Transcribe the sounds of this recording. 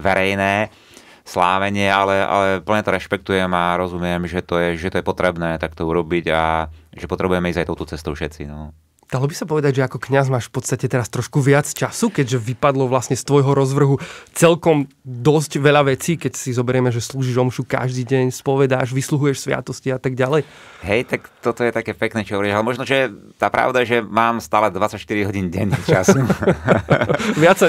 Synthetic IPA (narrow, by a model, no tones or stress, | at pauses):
ʋɛɾɛjnɛː | sla̰ːʋɛɲɪɛalɛa̰lɛpl̩ɲɛt̪ɔɾɛʃpɛk̚t̪ujɛmaɾɔzumɪɛmʒɛt̪ɔjɛʒɛt̪ɔjɛpɔt̪ɾɛbnɛːt̪ak̚t̪ɔuɾɔbiɟaʒɛpɔt̪ɾɛbujɛmɛizajt̪ɔʊt̪ɔt͡sɛst̪ɔʊfʃɛt͡sḭnɔ | d̪̥alɔbisapɔʋɛd̪aɟʒɛakɔkɲazmaːʃfpɔt̪st̪acɛt̪ɛɾast̪ɾɔʃkuʋɪat͡st͡ʃasukɛɟʒɛʋipad̪lɔʋlasɲɛst̪ʋɔjɦɔɾɔzʋr̩ɦut͡sɛlkɔmd̪ɔsɟʋɛʎaʋɛt͡siːkɛcsizɔbɛɾɪɛmɛʒɛsluːʒiʒɔmʃuka̰ʒd̪iːɟɛɲspɔʋɛd̪aːʒʋisluɦujɛʃsʋɪa̰t̪ɔsciat̪aɡɟalɛj | ɦɛjt̪akt̪ɔt̪ɔjɛt̪akɛːpɛknɛːt͡ʃɔɦɔʋɔɾialɛmɔʒnɔʒɛt̪aːpɾʔa̰ʊd̪ajɛʒɛmaːmst̪aːlɛd̪ʋat͡sːacʃt̪iɾiɦɔɟiːnɟɛ̰ɲt͡ʃa̰su | ʋɪat͡sːa